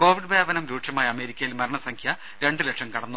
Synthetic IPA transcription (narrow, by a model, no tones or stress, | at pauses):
ko̞ːʋiɖbʱeːʋɐnɐmɾuːʈʂɐmaːjɐɐme̞ːɾikʲːɐjilmɐɾɐɳɐsɐŋkʰjɐ | ɾe̞ɳɖɨleʈʂɐmkɐɽɐnːu